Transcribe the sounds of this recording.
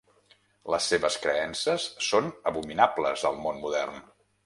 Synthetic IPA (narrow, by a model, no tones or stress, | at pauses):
ləsːeβəskɾəɛnsəsːonəβuminabləzəlˠmonmuðɛrn